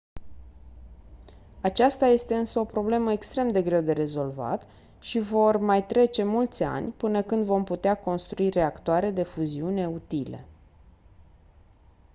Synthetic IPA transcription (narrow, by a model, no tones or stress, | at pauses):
at͡ʃast̪aje̞st̪e̞ɨnsəo̞pɾo̞ble̞məekst̪ɾe̞md̪e̞ɡɾe̞wd̪e̞ɾe̞zo̞lva̰t̪ | ʃivo̞rmajt̪ɾe̞t͡ʃe̞mult̪sʲa̰nʲpɨnəkɨnd̪vo̞mput̪eako̞nst̪ɾuire̞akt̪oaɾe̞d̪e̞fuziune̞ut̪ilḛ